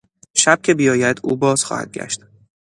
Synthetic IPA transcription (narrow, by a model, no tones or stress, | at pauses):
ʃæb̥̚cʲʰe̞bijɒːjæd̪uːbɒːz̥xɒ̰ːhæ̰d̪̚ɡɟæ̰ʃt̪